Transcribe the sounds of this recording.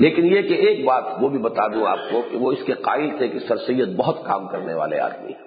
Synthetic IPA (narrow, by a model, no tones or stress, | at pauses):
leːkɪnjekeeːk̚baːt̪ʋobʱibɐt̪aːd̪ũa̰ːp̚kokeʋoɪskeqaːɪlt̪ʰekesɐɾsijːət̪̚bɐɦʊt̪ka̰ːmkɐɾneʋa̰ːlḛɦa̰ːd̪mḭɦɛ